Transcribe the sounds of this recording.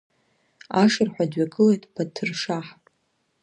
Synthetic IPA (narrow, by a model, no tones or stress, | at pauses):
aʂɨrħᶣʷadɥaɡʼɨlejtʰʼpʰatʰːɨrʂaħpʼ